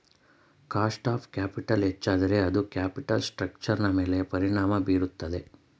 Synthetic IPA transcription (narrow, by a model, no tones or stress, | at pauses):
kaːsʈaːpʰkjaːpiʈɐlɦet͡ʃːaːd̪ɐɾe̞ɐd̪ukjaːpiʈɐlsʈɾɐk̚t͡ʃɐɾnɐme̞ːle̞pɐɾiɳaːmɐbiːɾut̪ːɐd̪e̞